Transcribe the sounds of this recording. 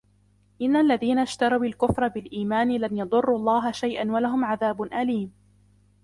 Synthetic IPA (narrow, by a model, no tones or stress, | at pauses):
ʔɪnːalːaðiːnaʃt̪ɑɾˤawalkʊfɾˤɑbɪlʔiːmaːnɪlanjɑd̪ˤʊrˤːuːɑlˤːɑːɦaʃajʔanwalaɦʊmʕaðaːbʊnʔaliːm